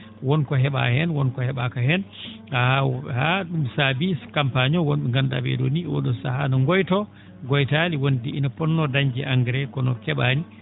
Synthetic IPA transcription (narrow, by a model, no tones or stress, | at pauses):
wɔnkɔɦɛɓa̰hɛnwɔnkɔhɛɓakahɛn | ahahaɗumsabikampaɲɔwonɗɛŋɡanda̰bɛ̰ɗo̰niɔ̰ɗɔsahanɔŋɡɔjtɔ | ɡɔjtaliwondiinɔpɔnːɔdaɲd͡ʒiʔaŋɡɾɛkɔnɔ̰kɛɓani